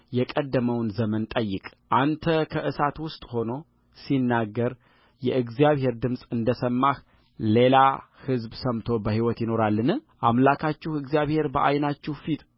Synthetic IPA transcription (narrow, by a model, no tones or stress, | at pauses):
jɛkʼəd̪ːəməwnzəmənt̪ʼəjːɨkʼʔant̪ʰəkʰəʔɨsat̪wʊst̪ʼho̞no̞ | sinːaɡːəɾ | jɛʔɨɡzijaβhe̞ɾd̪ɨmsʼɨnd̪əsəmːah | le̞la | hɨzbsəmt̪ʰo̞bəɦiwɔt̪jɪno̞ɾalːɨnɨʔamlakʰat͡ʃːɪhɨɡzijaβhe̞ɾbəʔa̰jnat͡ʃːɛhfit̪